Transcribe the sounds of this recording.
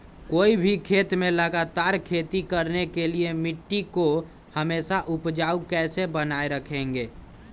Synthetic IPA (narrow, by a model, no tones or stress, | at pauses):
koːibʱikʰeːt̪mẽləɡat̪aːɾkʰeːt̪ikəɾnekeliemɪʈːiko | həmeːsaʔʊpd͡ʒaːukɛːsebənaeɾəkʰẽːŋɡeː